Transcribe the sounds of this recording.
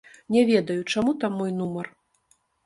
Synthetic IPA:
nʲɛvʲɛd̪ɐjut͡ʂamut̪amːɔjnumɐr

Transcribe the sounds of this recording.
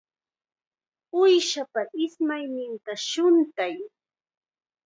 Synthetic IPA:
ʊjʃapaʔɪsmajnɪnt̪aʃʊnt̪aj

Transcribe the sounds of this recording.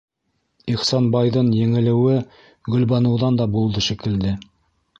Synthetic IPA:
iχsɑnbɑjðɤnjɘ̆ŋɘ̆lɘ̆wɘ | ɡɵ̆lbɑnɤ̆wðɑnd̪ɑbulˠd̪ɤʃɘ̆kɘ̆ld̪ɘ

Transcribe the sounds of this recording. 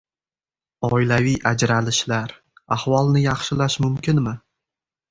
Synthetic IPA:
ɒɪlavijʔad͡ʒɾalɪʃlaɾ | ahvɒlˠnɪjɑχʃɪlaʃmʊmkʲɪnmɪ

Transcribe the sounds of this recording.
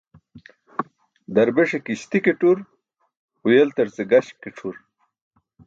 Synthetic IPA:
d̪ɐɾbeʂekiɕt̪ikeʈuɾ | ujelt̪ɐɾt͡seɡɐɕkːeʈ͡ʂʰuɾ

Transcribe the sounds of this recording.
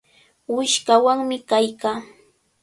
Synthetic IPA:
wɪʃkawaŋmɪkajkaː

